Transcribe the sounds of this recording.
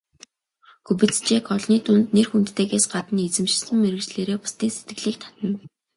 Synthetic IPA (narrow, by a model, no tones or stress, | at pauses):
xɵpɘ̆t͡st͡ɕeːkɔɮniːt̪ʊnt̪nerxunt̪ːeːɣeːsɢat̪ə̆net͡sɘ̆mʃɪsɘ̆mːeɾɘ̆ɣt͡ɕɮeːɾeːpʊ̥st̪iːnset̪ɡɘ̆ɮiːk̚t̪ʰḁt̪ə̆n